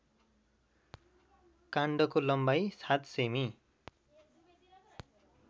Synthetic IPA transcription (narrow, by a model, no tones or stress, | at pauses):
kaɳɖʌkolʌmbajsat̪semi